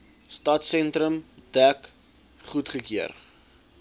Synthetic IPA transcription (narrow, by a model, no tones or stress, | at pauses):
stɐtsɛntɾəmd̥æk | χutχəkiər